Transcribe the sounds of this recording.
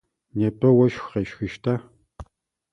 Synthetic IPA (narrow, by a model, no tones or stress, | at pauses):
neːpʰʼɐwɐʃxqeʃxɨʃtʰaː